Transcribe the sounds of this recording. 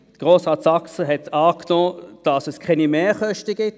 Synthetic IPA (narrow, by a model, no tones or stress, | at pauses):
dəɡ̥ʁoːsʁɑːtsɑksəɦɛtɑːknɔːd̥ɑsɛskʰɛnimeːχœʃtəɡɪt